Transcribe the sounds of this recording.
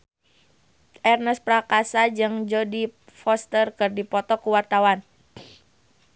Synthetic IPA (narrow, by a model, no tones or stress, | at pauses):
ʔɛrnəspɾakasad͡ʒɨŋd͡ʒɔdi | fɔst̪ərkɨrdipɔt̪ɔkuwart̪awan